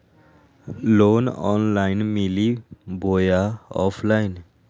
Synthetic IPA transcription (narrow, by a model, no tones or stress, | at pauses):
lonɔ̰nlajnmilibʱojaɔ̰pʰlajn